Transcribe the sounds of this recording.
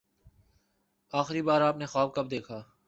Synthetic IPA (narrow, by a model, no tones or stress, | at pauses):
aːxɾibaːɾaːpnexaːb̚kɐb̚d̪eːkʰaː